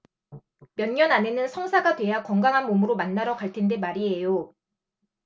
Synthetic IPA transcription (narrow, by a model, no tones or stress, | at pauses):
mjʌnɲjʌnane̞nɯnsʰʌŋsʰaɡatwe̞jakʌŋɡaŋɦanmomɯɾomanːaɾʌkaɭtʰe̞nde̞maɾiɦe̞jo